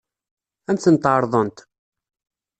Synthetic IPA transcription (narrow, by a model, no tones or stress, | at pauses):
ænt̪θənt̪əɾˤðˤənt̪